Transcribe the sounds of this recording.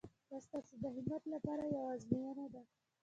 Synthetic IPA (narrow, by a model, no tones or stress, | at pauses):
b̪ast̪ɑsed̪əɦɪmat̪lapɑɾajawɑzmijanad̪a